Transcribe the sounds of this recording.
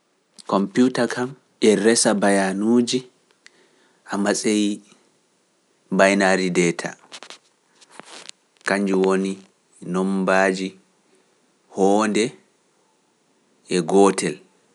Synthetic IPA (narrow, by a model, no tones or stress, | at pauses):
kɔmputakʰam | ʔɛɾɛsabajanuːd͡ʒi | ʔamasʼej | bajnaɾidɛtʰa̰ | kaɲd͡ʒuwoni | nɔmbaːd͡ʒi | hɔːndɛ | ɛɡɔːtɛl